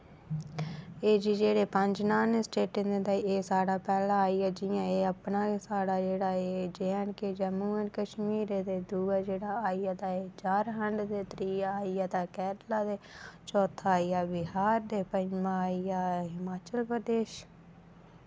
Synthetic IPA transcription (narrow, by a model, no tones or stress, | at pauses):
eːd͡ʒiːd͡ʒeːɽeːpəɲd͡ʒnaːnesʈeːʈɪ̃nd̪ed̪aːieːsaːɽaːpɛːlãːiaːd͡ʒɪjãeːəpnaːesaːɽaːd͡ʒeːɽaːeːd͡ʒɛːɳked͡ʒəmuːənkəʃmiːɾed̪eːd̪uːaːd͡ʒeːɽaːaːijaːt̪aːeːt͡ʃaːɾɦəɳɖd̪eːt̪ɾiːaaːijaːt̪aːkɛːɾlaːd̪eːt͡ʃɔːt̪ʰaːijaːbɪɦaːɾd̪eːpəɲmãːijaːɦɪmaːt͡ʃəlpɾəd̪eːʃ